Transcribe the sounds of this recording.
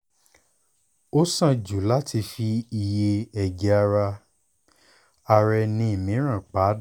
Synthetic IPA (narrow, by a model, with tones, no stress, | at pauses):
o˦sã˦˨d͡ʒu˨˦la˦tʰi˧fi˧i˧je˧ɛ˨ɡɛ˨˧a˧ɾa˧ | a˧ɾɛ˧nĩ˧i˨mĩ˨˦ɾ̃ã˦˨k͡pa˨˦